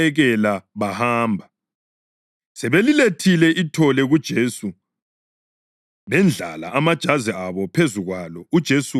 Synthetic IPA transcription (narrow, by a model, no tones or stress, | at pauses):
ɛɣɛlaβahaːmbʱa | sɛβeliletʰilɛʔitʰɔlɛɣud̥ʒ̥ʱesu | βɛnd͡ɮʱa̰la̰ʔamad̥ʒ̥ʱazɛaβɔpʰezuɣwalɔud̥ʒ̥ʱesu